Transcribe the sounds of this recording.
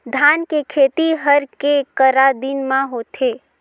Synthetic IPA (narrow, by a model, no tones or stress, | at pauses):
d̪ʱaːnkekʰeːt̪iɦəɾkekəɾad̪ɪnmãɦoːt̪ʰeː